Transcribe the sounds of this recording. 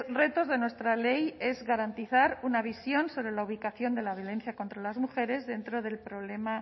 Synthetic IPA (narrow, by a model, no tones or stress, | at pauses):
re̞t̪o̞zðe̞nwe̞st̪ɾale̞je̞zɣaɾant̪iθaɾunaβisjo̞nso̞βɾe̞lauβ̞ikaθjo̞nd̪e̞laβ̞jo̞le̞nθjako̞nt̪ɾalazmuxe̞ɾe̞zðe̞nt̪ɾo̞ð̞e̞lpɾo̞βle̞ma